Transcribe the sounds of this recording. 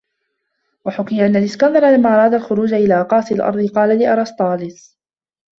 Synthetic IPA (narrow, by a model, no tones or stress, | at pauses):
waħʊkɪjaʔanːalɪskand̪ˤɑɾˤɑlamːaːʔɑɾˤɑːd̪alxʊɾuːd͡ʒaʔɪlaːqɑːsɪlʔɑ̰ɾˤd̪ˤɨqɑːlalɪʔɑɾˤɑst̪ˤɑːlɪs